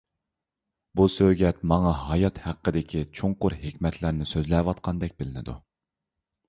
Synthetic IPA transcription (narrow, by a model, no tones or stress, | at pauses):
busøɡʲɛt̪mɑŋɑɦɑjɑt̪hæqːəd̪ɪkʲʰit͡ʃʰoŋqʊɾhekʲmɛt̪ʰlæɾnɪsøzlɛwɑt̪̚qʰɑnd̪ɛk̚ʲbɪlɪnɪd̪ṵ